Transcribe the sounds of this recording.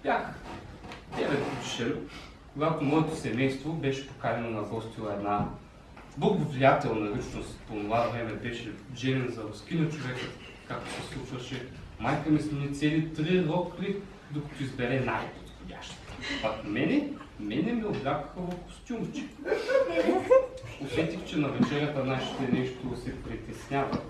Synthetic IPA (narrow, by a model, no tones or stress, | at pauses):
bʲjax | d̪ɛvɛt̪put̪i̥ʃɛn | koɡat̪omɔɛt̪osɛmɛjst̪vobɛʃɛ̥po̥kaɾʲɛnonɐɡɔst̪ʲilˠɐɛd̪na | bɐɡovʲiat̪ɛlˠnɐlʲit͡ʃnost̪pomolˠavɾɛmɛbɛʃɛʒɛɾɛnzɐɾʊskʲinɐt͡ʃovɛkə | kak̚t̪o̥sɛslˠut͡ʃvɐʃɛ | majkɐmɛsnonit̪sɛlʲit̪ɾilˠɔkli | d̪okɐ̥t̪ʊizbɛɾɛnajpot̪xʊdʲa̰ʃt̪ə̥pakmɛnɛmɛnɛmioblʲakə̥xəvɐfko̥st̪ʲjumt͡ʃi̥k | iot̪sɛt̪ʲixt͡ʃɛnɐvɛt͡ʃɛnʲiət̪ənaʃi̥t̪ɛnɛʃt̪osɛpɾit̪ɛsnʲavɐ̰